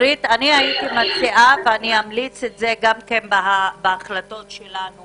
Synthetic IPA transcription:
ɾit̪aniait̪imat͡siʔaveaniamlit͡setzeɡamkenbaabeaχlato̞tʃelanu

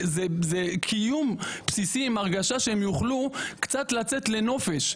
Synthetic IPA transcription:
zezekʰijumpsisiimaʁɡaʃaʃeemjuχlukt͡sat̪lat͡set̪le̞no̞feʃ

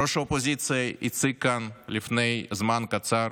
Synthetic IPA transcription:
ɔʃɐɔpɔzʲit̪sɨjɐḭt̪sɪkanlʲifnɛjzmankɐt̪saɾ

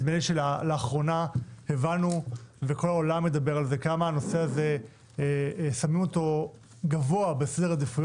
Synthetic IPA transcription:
meneʃelalaːχʁo̞nahevanuveko̞laolamːe̞d̪abe̞ʁalze̞kamaːno̞se̞aze̞ | samimo̞t̪o̞ | ɡavoabesedead̪ifuj

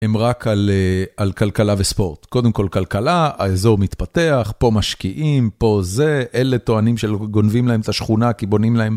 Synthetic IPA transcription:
hemʁakʰalealkalkalavespo̞ʁt̪ko̞d̪emko̞lkalkalaaezo̞ʁmit̪pat̪e̞aχpo̞maʃkiʔimpo̞ze̞ʔele̞t̪o̞animʃelɡo̞nvimlaemet̪aʃχunakibo̞nimlaem

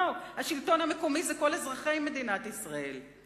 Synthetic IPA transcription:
whaʃilto̞namekomizɛko̞lezʁaχe̞jme̞d̪inat̪isʁae̞l

